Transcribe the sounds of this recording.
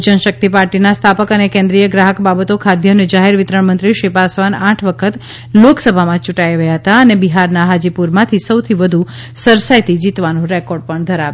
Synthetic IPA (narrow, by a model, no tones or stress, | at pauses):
d͡ʒənʃək̚t̪ipaɾʈinast̪ʰapəkənekẽnd̪ɾijəɡɾaɦəkbabət̪okʰad̪jəned͡ʒaɦeɾʋɪt̪ɾəɳmənt̪ɾiʃipasʋanãʈʰʋəkʰət̪ | loksəbʱamãt͡ʃuʈaiʋəjaɦət̪aənebiɦaɾnaɦad͡ʒipuɾmãt̪ʰisəwt̪ʰiʋəd̪ʱu | səɾsajt̪id͡ʒit̪ʋanũɾɛkɔɾɖ̚pəɳd̪ʱəɾaʋ